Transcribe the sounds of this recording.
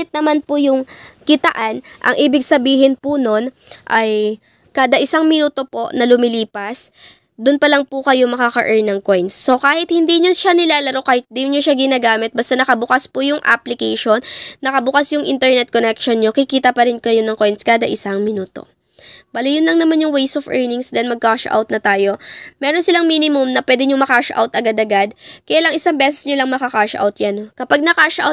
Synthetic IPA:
ɪt̪̚nɐmanpʊjʊŋkɪt̪ɐʔanʔɐ̰ŋʔiːbɪɡsɐbiːɦɪnpʊno̞n | ʔɐj | kaːd̪ɐʔɪsaŋmɪnuːt̪o̞po̞ʔnɐlʊmɪliːpɐs | d̪ʊnpɐlɐŋpʊkɐjomɐkakɐ̰ʔɛɹnɐŋkojnsːo̞kaːhɪt̪̚hɪnd̪iːɲoʃanɪlaːlɐɾokaːhɪt̪̚d̪iɲoʃaɡɪnaːɡaːmɪt̪̚bɐst̪anɐkɐbʊkaspʊjʊŋʔa̰plɪkɛjʃo̞nːɐkɐbʊkasjʊŋʔɪnt̪ɛɹnɛt̪̚konɛkʃonɲokɪkiːt̪ɐpɐɾɪnkɐjo̞nɐŋko̞jnskaːd̪ɐʔɪsaŋmɪnuːt̪o̞̰ | bɐlɪjʊnlɐŋnɐmanjʊŋwɛjsofʔɛɹnɪŋsd̪ɛnmɐɡ̚kaʃʔa̰wt̪̚nɐt̪aːjo̞mɛːɾonsɪlaŋmiːnɪmʊmnɐpwɛːd̪ɪɲomɐkaʃʔa̰wt̪ʔɐɡad̪ɐɡad̪̚kɐjaːlɐŋɪsaŋbɛsɛsɲolɐŋmɐkɐkaʃʔa̰wt̪janokɐpaɡ̚nɐkaʃʔa̰w̪̚

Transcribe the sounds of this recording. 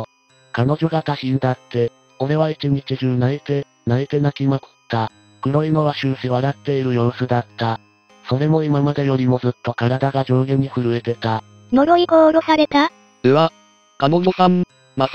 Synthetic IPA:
kano̞ʑo̞ɡat̪aɕĩnd̪at̪ːe̞ | o̞ɾe̞β̞ait͡ɕiɲ̟it͡ɕiʑɨ̃naet̪e | naet̪e̞nakʲimako̥t̪ːa | kɯ̟ɾo̞ino̞βaɕɨːɕiβaɾat̪ːe̞iɾɯ̟jo̞ːsɨd̪at̪ːa | so̞ɾe̞mo̞imamad̪e̞jo̞ɾʲimo̞zɨt̪ːo̞kaɾad̪aɡaʑo̞ːɡẽɲ̟ːiɸɯ̟ɾɯ̟e̞t̪e̞t̪a | no̞ɾo̞iɡoːɾo̞saɾe̞t̪a | d̪eβa | kanoosãm | ma

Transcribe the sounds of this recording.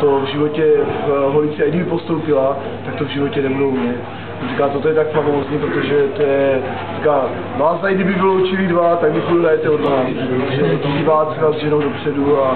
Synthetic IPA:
t̪ovʒɪvo̞cɛvɦolit͡siaɡdɪbɪpost̪o̞wpɪla | t̪ak̚t̪ovʒɪvo̞cɛnɛbudowmɲɛt̪ | sarikaːt̪ot̪ojɛt̪akfavoozɲiːpɾot̪oʒɛt̪o̞jɛɛ | r̥ikaː | vaːzd̪ajɡdɪbɪvɪlowt͡ʃɪlidvat̪aɡ̚bɪpuludajɛt̪ɛodmaːnpɾot̪oʒɛsɛɟivaːt̪r̥ɛkazʒɛnowdopr̝̥ɛdua

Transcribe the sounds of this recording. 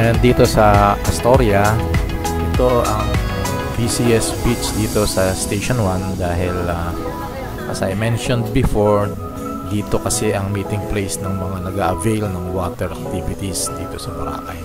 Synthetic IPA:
ʔɛnd̪d̪iːt̪o̞sɐɪst̪oɾjɐ | ʔɪt̪o̞ʔɐŋ | bisiɛspit͡ʃd̪iːt̪o̞sɐst̪ejʃonwand̪aːɦɪlɐ | ɐ̰sɐ̰jmɛnʃond̪̚bɪfoɹ | d̪iːt̪o̞kɐsɛʔɐŋmiːt̪ɪŋplejsnɐŋmɐŋanɐɡaʔɐvejlnɐŋwaːt̪ɛɾʔɐk̚t̪ivɪt̪isd̪iːt̪o̞sɐbɐɾa̰ːkɐ̰j

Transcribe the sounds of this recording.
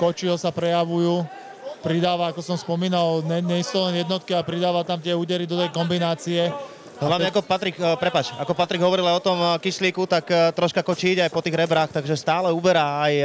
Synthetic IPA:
kɔt͡ʃilɔsapɾɛjaʋujuː | pɾid̪aːʋaakɔsɔmspɔmiːnalɲɛɲɛist̪ɔlɛnjɛd̪nɔt̪̚kialɛpɾid̪aːʋat̪amt̪ɪɛuːɟɛɾid̪ɔt̪ɛjkɔmbinaːt͡siɛ | ɦlaʋɲɛakɔpat̪ɾikpɾɛpaːt͡ʃakɔpat̪ɾiɡɦɔʋɔɾilajɔt̪ɔmkisliːkut̪akt̪ɾɔʃkakɔt͡ʃiːɟajpɔt̪iːɣɾɛbɾaːxt̪aɡʒɛst̪aːlɛubɛɾaːaj

